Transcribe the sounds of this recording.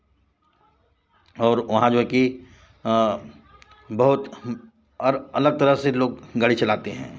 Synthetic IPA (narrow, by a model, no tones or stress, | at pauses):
ɔːɾʋɐɦãd͡ʒoːɦɛki | bɐɦʊt̪ | ɐləɡ̚t̪ɐɾəɦseloːɡ̚ɡaɽit͡ʃɐlaːt̪eɦɛ̰̃ː